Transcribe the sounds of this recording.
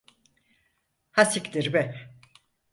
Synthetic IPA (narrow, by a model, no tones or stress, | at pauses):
hasikd̪iɾbɛ